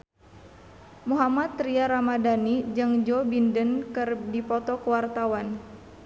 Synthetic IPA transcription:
muɦamat̪ːɾiaɾamadanid͡ʒɨŋd͡ʒɔbindənkɨrdipɔt̪ɔkəwart̪awan

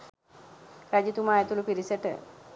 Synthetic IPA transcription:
ɾad͡ʑit̪umaːjet̪ulupiɾisəʈə̰

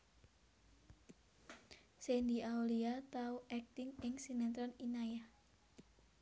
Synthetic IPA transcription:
send̪iauliat̪auʔɛk̚t̪ɪŋɪŋsinɛnt̪ɾɔninaja

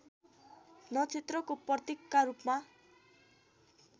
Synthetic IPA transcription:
nʌt͡sʰet̪rʌkoprʌt̪ekːaɾupma

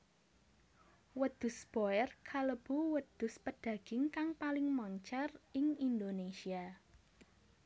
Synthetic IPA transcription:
wəd̪̥ʊ̤sb̥oɛrkʰaləb̥uwəd̪̥ʊ̤spəɖ̥ä̤ɡ̥ɪŋkaŋpalɪŋmɔɲt͡ʃɛrɪŋind̪onesia

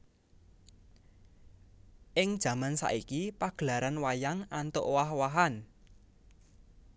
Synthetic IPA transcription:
ʔɪŋd̥ʒ̥ä̤mansa̰ʔikipaɡ̥əlaɾanwajaŋant̪oʔwahwaɦan

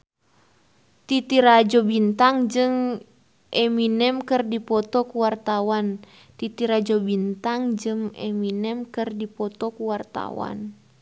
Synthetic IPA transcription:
t̪it̪iɾad͡ʒɔbint̪aŋd͡ʒɨŋ | ʔeminɛmkɨrdipɔt̪ɔkuwart̪awan | t̪it̪iɾad͡ʒɔbint̪aŋd͡ʒɨŋeminɛmkɨrdipɔt̪ɔkuwart̪a̰wa̰n

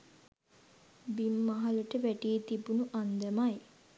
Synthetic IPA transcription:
bimːaɦaləʈəʋæʈijet̪ibunuʔand̪əmaj

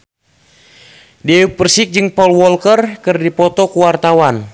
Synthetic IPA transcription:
diɛupərsik̚d͡ʒɨŋpɔlwɔlkərkɨrdipɔt̪ɔkuwart̪awan

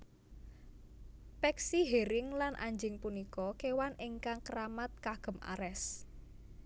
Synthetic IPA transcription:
pɛksiɦeɾɪŋlanʔa̰ɲd͡ʒɪŋpunikɔkewanʔiŋkaŋkəɾamat̪̚kaɡ̥ə̤mʔa̰ɾɛs

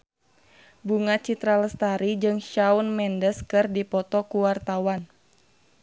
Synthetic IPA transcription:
buŋat͡ʃit̪ɾaləst̪aɾid͡ʒɨŋʃaunmɛndəskɨrdipɔt̪ɔkuwart̪awan

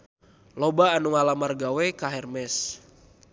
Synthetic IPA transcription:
lɔbaːnuŋalamarɡawɛkaɦɛrmɛs

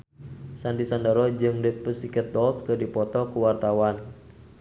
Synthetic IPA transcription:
sand̪isandaɾɔd͡ʒɨŋdəpəsikət̪̚dɔlskɨdipɔt̪ɔkuwart̪awan

